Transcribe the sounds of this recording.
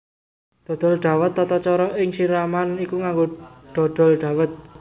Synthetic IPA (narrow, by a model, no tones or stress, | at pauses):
d̪̥ɔ̤d̪̥ɔ̤lɖ̪̥a̤wət̪ːɔt̪ɔt͡ʃɔɾɔʔɪŋsiɾamanikuŋaŋɡoɖ̪̥ɔ̤d̪̥ɔ̤lɖ̪̥ä̤wət̪̚